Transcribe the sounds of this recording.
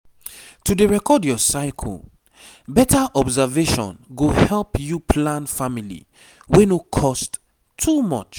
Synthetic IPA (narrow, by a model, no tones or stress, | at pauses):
tudeɹɛkɔdjɔsaɪkʰɔ̰l | bɛtaʔɔbzaveʃɔ̰̃nɡohɛlpjupʰlãnfamilḭ | wenokʰɔstʰː | umɔ̰t͡ʃ